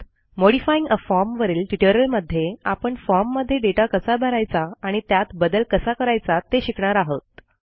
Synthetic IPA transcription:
moɽifaiŋɡəfɔɾmʋəɾiːlʈiʈəɾəlməd̪ʱːjeapəɳfɔɾmːəd̪ʱːjeɖeʈakəsabʱəɾajt͡saaɽ̃it̪jat̪bəd̪əlkəsakəɾajt͡sat̪eɕikɳaɾaɦət̪̚

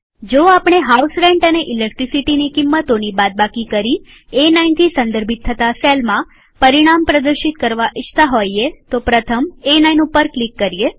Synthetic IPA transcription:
d͡ʒoapɳ̃eɦausɾeɳʈəneʔilek̚ʈɾisiʈinikimːət̪onibat̪̚bakikəɾi | enaint̪ʰisə̃nd̪əɾbʱit̪ʰːət̪aselmã | pəɾiɽ̃ampɾəd̪əɾʃit̪̚kəɾʋaʔɪt͡ʃt̪aɦojet̪opɾət̪ʰəmenainũpəɾklikːəɾie

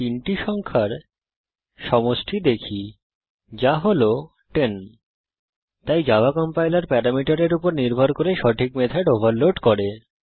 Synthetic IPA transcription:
t̪iɳʈiʃɔŋkʰaɾ | ʃɔmoʃʈʰid̪ekʰi | d͡ʑaɦolo | ʈen | t̪ajd͡ʑabakɔmpajlaɾpɛɾamiʈaɾeɾupoɾniɾbʱɔɾkoɾeʃɔʈʰikmet̪ʰaɖobʱaɾloʈkɔɾe

